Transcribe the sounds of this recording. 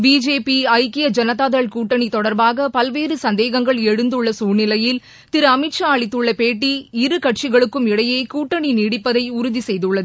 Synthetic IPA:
biːd͡ʒeːpiɐɪkːɪjɐd͡ʒɐnɐt̪aːðɐɭkuːʈːɐɳit̪ɔɽɐɾbaːɣɐpɐlʋeːɾɯsɐnd̪eːɣɐŋɡɐɭɛɻɯnd̪ɯɭːɐsuːnɪlɐjɪl | t̪ɪɾɯɐmɪʈʂaːɭɪt̪ːɯɭːɐpeːʈ̬ːiɪɾɯkɐʈt͡ʃɪɣɐɭɯkːɯmɪɽɐjeːkuːʈːɐɳiniːɽɪpːɐðɐɪʊɾʊðisɛjðɯɭːɐðɯ

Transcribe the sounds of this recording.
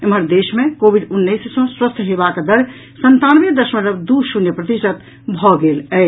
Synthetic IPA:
emɦəɾd̪esmẽkobiɖunːəjssə̃swəst̪ʰɦebakd̪əɾ | sənt̪anbed̪əsmẽɾəbd̪usunjəpɾət̪isət̪ | bʱɔɡelɛ

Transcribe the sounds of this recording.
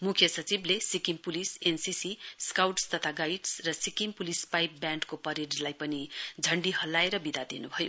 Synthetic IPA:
mukʰjʌsʌt͡siblesikimpulisensisiskawʈst̪ʌt̪ʰaɡajiʈsrʌsikimpulispajp̚bjãɳɖkopʌɾeɖlajpʌnid͡zʱʌɳɖihʌlːaeɾʌbid̪ʱad̪enubʱʌjo̰

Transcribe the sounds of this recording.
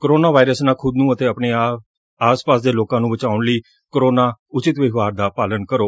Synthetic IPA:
koɾoːnaːʋaːɪɾəsnãːkʰʊd̪nũːət̪eːəpɳeː | aːspaːsd̪eːloːkãːnũːbət͡ʃaːʊɳləiː | kɾoːnaːʊt͡ʃɪt̪ʋɪɡʋaːɾd̪aːpaːlənkəɾoː

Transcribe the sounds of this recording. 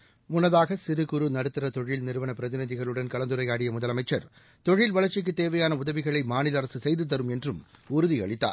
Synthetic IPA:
mʊnɐðaːɣɐsɪɾɯkɯɾɯnɐɽɯt̪ːɯrɐt̪ɔɻɪlnɪɾɯʋɐnɐpɪɾɐðɪnɪðɪɣɐɭɯɽɐnkɐɭɐnd̪ɯɾɐɪaːɽɪjɐmʊðɐlɐmɐɪt͡ʃːɐɾ | t̪ɔɻɪlʋɐɭɐɾt͡ʃɪk̬ːɯt̪ːeːʋɐjaːnɐʊðɐʋɪɣɐɭɐɪmaːnɪlɐɾɐsɯsɛjðɯt̪̬ːɐɾɯmɛndrɯmʊɾʊðiɐ̰ɭɪt̪ːa̰ːɾ

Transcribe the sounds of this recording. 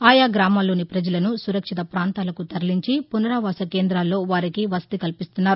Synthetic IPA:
aːjaːɡɾaːmaːlːo̞ːnipɾɐd͡ʒɐlɐnusuɾɐkʂit̪ɐpɾaːnt̪aːlɐkut̪ɐɾliɲt͡ʃipunɐɾaːʋaːsɐke̞ːnd̪ɾaːlːo̞ːʋaːɾikiʋɐsɐ̥t̪ikɐlpist̪unːaːɾu

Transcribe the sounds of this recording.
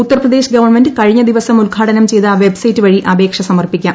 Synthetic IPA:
ut̪ːɐrprɐd̪e̞ːɕɡɐʋɐrme̞ndɨkɐɻiɲːɐd̪iʋɐsɐmulɡʱaːʈɐnɐmt͡ɕe̞jt̪aʋe̞bsɐjtːɨʋɐɻiʔɐbe̞ːkʂɐsɐmɐrpikʲːa

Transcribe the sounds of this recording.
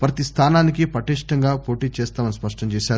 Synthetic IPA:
pɾɐt̪ist̪ʰaːnaːnikipɾɐʈiːʂʈɐŋɡaːpo̞ːʈiːt͡ʃɛːst̪aːmɐnispɐʂʈɐɲt͡ʃɛːʃaːɾ

